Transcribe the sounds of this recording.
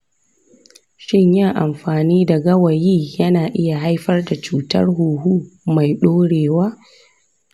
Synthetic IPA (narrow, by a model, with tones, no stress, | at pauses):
ʃɪ˦˨ɲjɪ˦ŋʔa̰˨mɸaː˨niː˦da˨ɡɐ˦wɐ˨jiː˦jɐ˦naː˨ʔɪ˦ja˨ɦa˦jɸɐ˦rda˨t͡ʃuː˨tɐ̰˦rɦuː˨ɦuː˦ma˨jɗoː˦ɽeː˨waː˦